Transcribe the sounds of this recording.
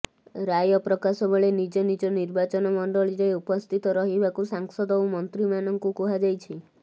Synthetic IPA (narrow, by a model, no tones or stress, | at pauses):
ɾajɔpɾɔkasɔbɔɭenid͡ʒɔnid͡ʒɔniɾbat͡ʃɔnɔmɔɳɖɔɭiɾeupɔst̪ʰit̪ɔɾɔɦibakusaŋsɔd̪ɔwmɔnt̪ɾimanɔŋkukuɦad͡ʒajt͡ʃʰi